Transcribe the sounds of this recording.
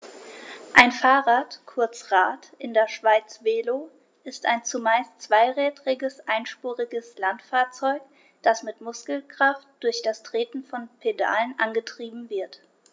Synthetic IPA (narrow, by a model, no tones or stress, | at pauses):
ʔaɪnfaːʁaːtkʰʊɐt͡sʁaːtʔɪndeːɐʃv̥aɪt͡sv̥eːlo | ʔɪstaɪnt͡sumaɪst͡sv̥aɪʁɛːtʁɪɡəsʔaɪnʃpuːʁɪɡəslantfaːɐt͡sɔʏk | d̥asmɪtmʊskl̩kʁ̥aftd̥ʊɐçd̥astʁ̥eːtn̩fɔnpʰeda̰ːlənʔanɡətʁ̥iːbm̩vɪɐt